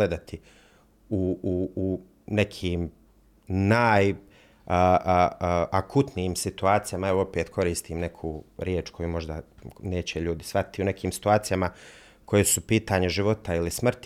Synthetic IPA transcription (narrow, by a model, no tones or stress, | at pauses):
led̪at̪ʰi | uuu | nekʰiːm | naːj | akʰut̪nijiːmsit̪uaːt̪sijamaeʋoopeːt̪kʰo̞ɾiːst̪iːmne̞kʰuːɾjeːt͡ʃkʰo̞jumo̞ʒd̪a̰neːt͡ɕeʎuːd̪isʋat̪i̥t̪iune̞kʰiːmsi̥t̪uaːt̪sijama | kʰo̞jesupiːt̪aɲeʒiʋo̞t̪ailismr̩t̪